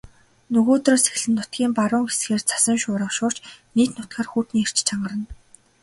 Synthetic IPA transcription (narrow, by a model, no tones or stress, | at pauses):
nɵɣoːt̪roːse̥x̆ɮɘ̆nːʊt̪ɡʲiːmpaɾʊːŋɡesxeːrt͡sʰḁsə̆ŋʃʊːɾə̆χʃʊːr̥t͡ɕniːt̪nʊt̪̚ɢaːrxuːrt̪niːer̥t͡ɕt͡ɕʰaɴɢə̆ɾə̆n